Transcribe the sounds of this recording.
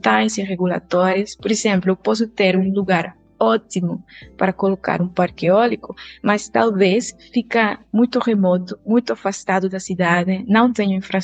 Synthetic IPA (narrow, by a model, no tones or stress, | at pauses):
t̪aj̃sireɣula̰t̪ɔɾespoɾesɛ̃mplʊewpɔs̬ʊt̪eɾũluɣaɾ | ɔt̪imʊpaɾɐkoloka̰ɾũpaɾkeɔlikʊmast̪alβesfikɐmũjt̪ʊremɔt̪ʊmũjt̪ʊafast̪aðʊd̪ɐsid̪aðɪnɐ̃w̃t̪ẽɲʊĩfɾa